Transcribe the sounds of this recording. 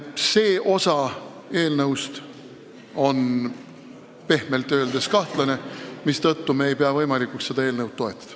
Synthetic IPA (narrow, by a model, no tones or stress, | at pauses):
se̞ːʔo̞sɑ | e̞ːlnɤwst̪ | o̞n | pe̞hme̞lt̪ːˑøːld̪e̞skɑht̪lɑne̞mist̪ɤt̪ːumeːjpeɑvɤjmɑlikːˑuksse̞d̪ɑeːlnɤwd̪̚ːo̞e̞t̪ˑːɑ̥d̪̥ɑ̥